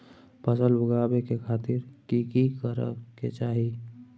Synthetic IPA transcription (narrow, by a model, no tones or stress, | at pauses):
pəsəlbʊɡaːbekekʰaːt̪ɪɾkikikəɾə̰kḛt͡ʃaːɦi